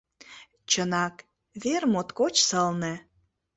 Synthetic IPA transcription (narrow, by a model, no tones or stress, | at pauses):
t͡ɕənɑk | βermot̪kot͡ɕsəlnĕ